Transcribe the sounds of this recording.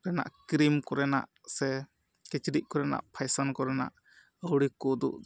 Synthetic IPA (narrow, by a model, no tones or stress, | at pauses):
ɾɛna̰ʔkɾimkɔɾɛna̰ʔ | sɛ | kɛt͡ʃɖiʔ̚kɔɾɛna̰ʔpʰajsankɔɾɛna̰ʔ | əwɽikɔd̪ṵʔ